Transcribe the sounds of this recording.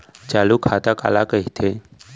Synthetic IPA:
t͡ʃaːlukʰaːt̪aka̰ːlakəɦit̪ʰe

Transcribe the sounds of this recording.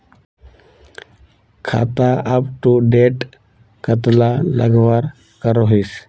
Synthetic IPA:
kʰa̰ːt̪aʔəpʈuɖeːʈ | kət̪lalə̰ɡʋaɾ | kəɾoɦiːs

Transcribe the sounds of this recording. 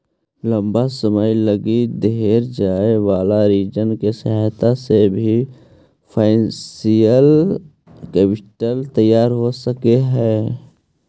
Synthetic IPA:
lə̃mbasəməjləɡid̪eɾd͡ʒaːeʋaːlaɾiːd͡ʒənkesəɦt̪asebʱi | pʰaːɪsijəl | kɛːpɪʈəlt̪əjːaːɾɦosəkeɦɛː

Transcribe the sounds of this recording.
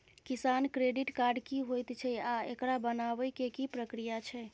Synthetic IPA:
kisankɾeɖiʈkaɾɖkiɦojt̪t͡ʃʰɛaḛkɾabənaʋəjkekipɾəkɾijat͡ʃʰɛ

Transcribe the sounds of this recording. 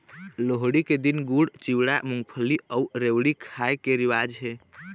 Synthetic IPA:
loɦɽiked̪inɡuɽt͡ʃiwɽamuŋɡpʰəliəuɾewɽikʰajkeɾiwad͡ʒɦe

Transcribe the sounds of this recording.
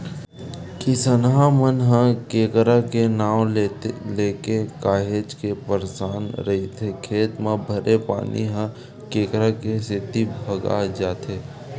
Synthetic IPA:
kɪsənɦãmənɦə̃keːkɾakenaːwleːkekaːɦeːd͡ʒkepəɾsaːnɾəɦit̪ʰekʰeːt̪mẽbʱəɾepa̰ːnḭɦə̃ | keːkɾakesɪt̪ibʱəɡa̰d͡ʒaːt̪eː

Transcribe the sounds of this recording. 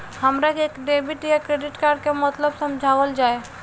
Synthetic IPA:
həmɾakeːkɖeːbɪʈjakɾeːɖɪʈkaːɾɖkemət̪ləbsɐ̃md͡ʒʱaːʋəld͡ʒaːe

